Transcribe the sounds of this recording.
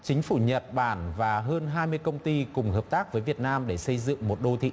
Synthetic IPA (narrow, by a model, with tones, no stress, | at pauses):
t͡ɕï˨˦ŋ̟fu˧˩ɲə˨˩t̚ɓaː˧˩nvaː˨˩ɦəː˧nɦaː˧jmɨ˧əjkə˧wŋ͡mt̪i˧kʊ˨˩ŋ͡mɦəː˨˩p̚t̪aː˦˥k̚vəː˨˦jvi˨˩ət̚naː˧mɗe˧˩sə˧jzɨ̰˧˨ŋmo˨˩t̚ɗo˧t̪ʰḭ˧˨